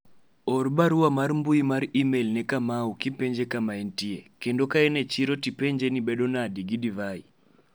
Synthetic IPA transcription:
ɔɾbaɾuwamaɾmbuimaɾimelnɛkamaukipeɲd͡ʒekamaɛntiekendokaɛnɛt͡ʃiɾotipeɲd͡ʒenibedonadiɡidivai

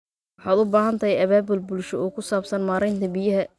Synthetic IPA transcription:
wɑħɑːd̪ʊbaːɦɐnt̪ʰɐjɐβaːbʊlbʊlʃɔɔːkʰʊsaːbsɐnmaːɾɛjnt̪ʰɐbijɐɦɐ

